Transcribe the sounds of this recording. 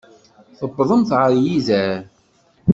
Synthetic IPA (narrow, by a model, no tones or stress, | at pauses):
θəbːðˤəmθʕəɾˤjizæɾ